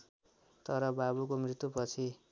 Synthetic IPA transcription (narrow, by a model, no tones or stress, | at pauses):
t̪ʌɾʌbabukomrit̪ːupʌt͡sʰi